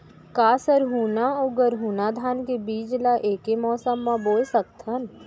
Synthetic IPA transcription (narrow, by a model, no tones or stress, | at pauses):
kaːsəɾɦuːnaoɡəɾɦuːnad̪ʱaːnkebiːd͡ʒlaʔeːkemɔːsəmːãboːlsək̚t̪ʰən